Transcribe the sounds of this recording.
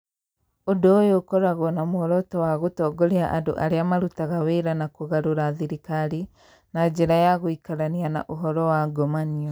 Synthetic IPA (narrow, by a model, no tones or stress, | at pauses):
odojokɔɾaɣɔnamoɔɾɔtɔwaɣotɔːɡoɾeaʔado̰ʔaɾeamaɾutaɣaweɾanakoɣaɾoɾaðiɾikaɾi | nad͡ʒeɾajaɣoikaɾaniana̰ʔoɦɔɾɔwaɡɔmaniɔ